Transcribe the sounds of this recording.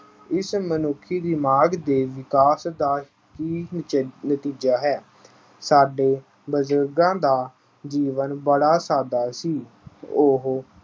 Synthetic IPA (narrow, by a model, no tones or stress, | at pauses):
ɪsmənʊkʰːiːd̪ɪmaːɡd̪eːʋɪkaːsd̪aː | kiːnnət̪iːd͡ʒaːɦɛː | saːɖeː | bəzəɾɡãːd̪aː | d͡ʒiːʋənbəɽaːsaːd̪aːsiː | ʊɦ